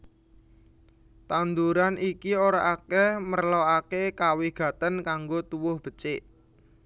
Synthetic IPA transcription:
t̪and̪uɾanʔikioɾaʔakɛmərlɔakekawɪhɡ̥ä̤t̪ənkaŋɡot̪uwʊhb̥ə̤t͡ʃɪʔ

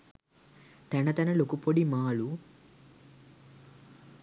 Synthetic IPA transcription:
t̪ɐnɐt̪ɐnɐlokupoɽimaːɭu

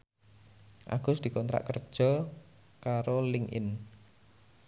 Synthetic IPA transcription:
ʔa̰ɡ̥ʊ̤sd̪̥i̤kɔnt̪ɾa̰ʔkərd̥ʒ̥ɔ | kaɾolɪŋʔɪ̰n

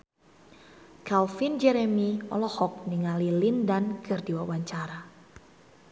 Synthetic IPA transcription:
kalfind͡ʒɛɾɛmiɔ̰lɔhɔk̚niŋalilindankɨrdiwawaɲt͡ʃaɾa

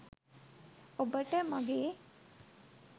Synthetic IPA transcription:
obəʈəmaɡeː

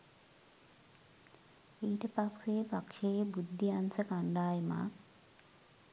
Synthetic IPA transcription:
iːʈɐpakseːpakʂejbud̪ʱːiansɐkaɳɖaːjma̰

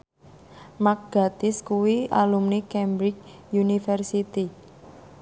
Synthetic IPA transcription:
mak̚ɡ̥a̤t̪ɪskuwialumnekɛmbɾɪk̚ | junifɛrsit̪i

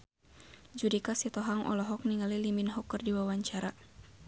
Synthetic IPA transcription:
d͡ʒudikasit̪ɔɦaŋʔɔ̰lɔɦɔk̚niŋaliliminɦɔkːɨrdiwawaɲt͡ʃaɾa

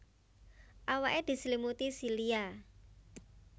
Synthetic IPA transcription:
ʔawaʔed̪̥i̤slimut̪isilia

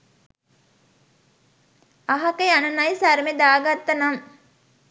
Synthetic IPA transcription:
aɦɐkeanɐnajsaɾmed̪aːɡat̪ːɐnaŋ

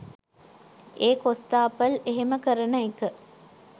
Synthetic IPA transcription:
eːkost̪aːpəleɦeməkəɾənəekə

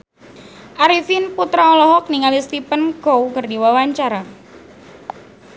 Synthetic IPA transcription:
ʔaɾifinput̪ɾaɔlɔɦɔk̚niŋalist̪ipənɡowkərdiwawaɲt͡ʃaɾa

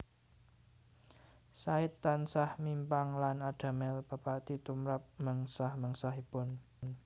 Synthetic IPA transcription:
saɪt̪ːansahmimpaŋlanaɖ̥a̤mɛlb̥apat̪it̪umɾap̚məŋsahməŋsaɦib̥ɔn | n

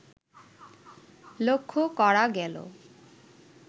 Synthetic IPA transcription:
lokʰːokɔɾaɡɛlo̰

